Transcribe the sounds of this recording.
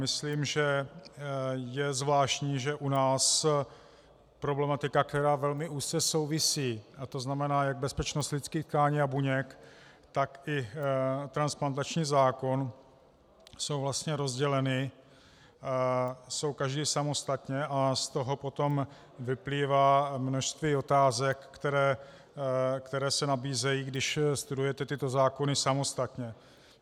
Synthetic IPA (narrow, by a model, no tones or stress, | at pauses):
mɪsliːmʒɛ | jɛzvlaːʃcɲiːʒɛʔunaːs | pɾo̞blɛmat̪ɪkakt̪ɛɾaːvɛlmɪʔuːst͡sɛso̞wvɪsiːt̪o̞znamɛnaːjaɡ̚bɛspɛt͡ʃnost̪lɪt͡skiːt̪kaːɲiːabuɲɛk | t̪akʔɪt̪ɾansplant̪at͡ʃɲiːzaːko̞n | so̞wvlast̪ɲɛɾo̞zɟɛlɛnɪ | so̞wkaʒdiːsamo̞st̪at̪ɲɛast̪o̞ɦo̞po̞t̪o̞m | vɪpliːvaːmno̞ʃst̪viːo̞t̪aːzɛkːt̪ɛɾɛː | kt̪ɛɾɛːsɛnabiːzɛjiːɡdɪʃst̪udujɛt̪ɛt̪ɪt̪o̞zaːko̞nɪsamo̞st̪at̪ɲɛ